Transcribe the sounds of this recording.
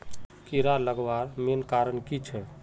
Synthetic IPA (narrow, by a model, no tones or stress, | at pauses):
kiɾaləɡʋaɾmenkaɾənkit͡ʃʰɛ